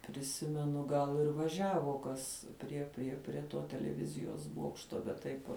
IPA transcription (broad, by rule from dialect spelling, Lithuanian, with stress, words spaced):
pʲrʲɪˈsʲɪmʲɛnʊ ɡɐlˠ ɪr ʋɐˈʒʲæːʋoː ˈkɐs pʲrʲiɛ pʲrʲiɛ pʲrʲiɛ ˈtoː tʲɛlʲɛˈʋʲɪzʲɪjoːs ˈbuɔkʃtoː bʲɛt ˈtɐɪp ʋuɔ